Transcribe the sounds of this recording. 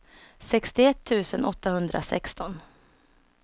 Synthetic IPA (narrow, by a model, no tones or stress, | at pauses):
sɛkst̪ɪɛt̪ʰːʉ̟ːsənʔɔt̪ːahɵnd̪ɾʔa̰sɛ̰kst̪ɔn